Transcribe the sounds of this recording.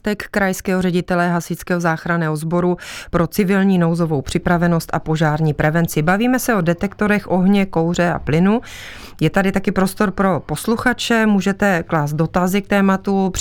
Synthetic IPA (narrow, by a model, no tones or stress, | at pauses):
t̪ɛkːɾajskɛːɦorɛɟɪt̪ɛlɛɦasɪt͡skɛːɦozaːxɾanɛːɦozbo̞ɾupɾo̞t͡sɪvɪlɲiːno̞wzo̞vowpr̝̥ɪpɾavɛno̞st̪a̰po̞ʒaːɾɲiːpɾɛvɛnt͡sɪbaviːmɛsɛo̞dɛt̪ɛkt̪oɾɛxʔo̞ɦɲɛko̞wr̝ɛa̰plɪnu | jɛt̪adɪt̪akɪpɾo̞st̪o̞ɾpɾo̞po̞sluxat͡ʃɛmuːʒɛt̪ɛklaːst̪do̞t̪azɪk̚t̪ɛːmat̪up